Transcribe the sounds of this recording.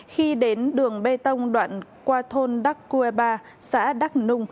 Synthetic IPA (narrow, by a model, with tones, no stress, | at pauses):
xi˧ɗe˨˦nɗɨ˨˩əŋɓe˧t̪ə˧wŋ͡mɗwa̰ː˧˨nkwaː˧t̪ʰo˧nɗa˦˥kːu˧e˧ɓaː˧ | sa̰ː˧˥ɗa˦˥k̚nʊ˧ŋ͡m